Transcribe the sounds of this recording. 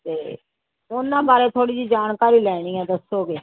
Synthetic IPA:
t̪eː | ʊnːãːbaːɾeːt̪ʰoːɽiːd͡ʒiːd͡ʒaːnkaːɾiːlɛːɽ̃ĩːɛ̃ːd̪əsːoːɡeː

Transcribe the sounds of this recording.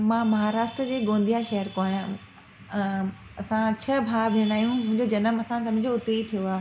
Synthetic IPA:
mãːmɐɦaːɾaːʃʈɾəd͡ʑeːɡõːn̆d̪ijaʃɐɦəɾkoaːjã | ɐsãt͡ɕʰɐbʱaːbʱeːɽ̃aːijũmʊ̃ɦɪ̃ɲd͡ʑod͡ʑɐnəmɐsãsɐbʱɪd͡ʑoʊt̪eit̪ʰijoaː

